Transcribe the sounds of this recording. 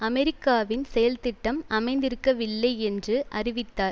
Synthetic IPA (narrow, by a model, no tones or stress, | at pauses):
ɐmɛɾɪkːaːʋɪnsɛjɐlt̪ɪʈːɐmɐmɐɪnd̪ɪɾɯkːɐʋɪlːɐɪɛndrɯʔɐrɪʋɪt̪ːaːɾ